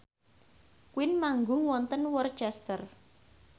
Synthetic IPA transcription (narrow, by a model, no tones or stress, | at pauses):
kwɪnmaŋɡʊŋwɔnt̪ənwɔrt͡ʃɛst̪ər